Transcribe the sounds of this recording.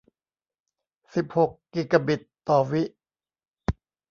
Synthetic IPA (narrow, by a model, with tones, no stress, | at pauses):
si˨˩p̚ho˨˩kːiː˨˩ka˧bi˨˩t̪ːɔː˨˩wi˦˥ʔ